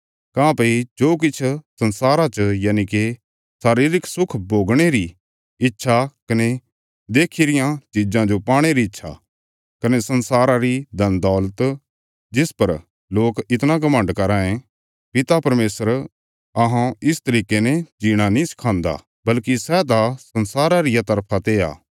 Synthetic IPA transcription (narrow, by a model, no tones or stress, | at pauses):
kãːpɐid͡ʒoːk̬ɪt͡ʃʰsɐ̃nsaːɾat͡ʃəjaːnike | saːɾiːɾɪkʰsʊkʰboːɡɽ̃eɾi | ɪtːʃʰakɐne | d̪eːkʰiɾɪjãt͡ʃiːd͡ʒãd͡ʒopaːɽ̃eɾiɪtːʃʰa̰ | kɐnesɐnsaːɾaɾid̪ʱɐnd̪ɔːlət̪ | d͡ʒɪspɐɾ | loːkɪt̪naɡɐmə̃ɳɖkɐɾaːẽ | pɪt̪apɐɾmeːsəɾ | ɐɦãɪst̪ɐɾiːkenɛd͡ʒiːɽ̃anĩsɪ̥kʰãːnd̪a̰ | bɐlkisɛt̪asɐnsaːɾaɾɪjat̪ɐɾpʰat̪ea̰ː